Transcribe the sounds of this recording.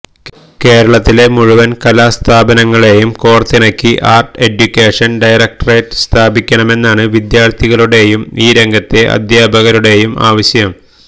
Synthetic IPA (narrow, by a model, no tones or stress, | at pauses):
ke̞ːɾɐɭɐt̪ːile̞muɻuʋɐnkɐlaːst̪ʰaːbɐnɐŋːɐɭe̞jumkoːrt̪ːinɐkʲːiʔaːrʈe̞ɖjukʲːeːʂɐnɖɐjrɐk̚ʈɐrejʈɨ̥st̪ʰaːbikʲːɐɳɐme̞nːaːɳɨʋid̪jaːrt̪ʰiɣɐɭuɽe̞jumiːɾe̞ŋɡʱɐt̪ːe̞ʔɐ̰d̪jaːbʱɐɣɐɾuɽe̞jumʔa̰ːʋɐɕjɐm